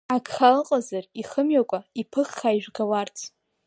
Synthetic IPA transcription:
akʰχalqʼazariχəmɥakʷʼaipʰɨχːaiʒᶣʷɡawart͡sʰ

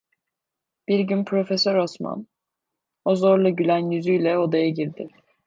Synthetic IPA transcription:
b̥iɾɟynpʰɾo̞fesøɾo̞sma̰n | o̞zo̞ɾlˠuɟylʲænjyzyjlʲɛo̞d̪ajaɟiɾd̪ɪ

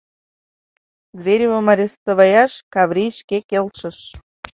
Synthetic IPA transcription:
ɡrʲeɾʲivomɑɾʲest̪ə̆βɑjɑʃkɑβɾʲiʃkekelʃə̆ʃ

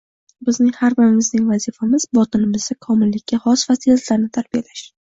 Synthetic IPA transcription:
bɪznɪŋʲhaɾbɪɾɪmɪznɪŋvazifamɪz̥bɒt̪ʰɪnɪmɪzd̪akʰɒmɪlːɪkʲʰːahɒsfasiat̪laɾnɪt̪ʰaɾbijalaʃ

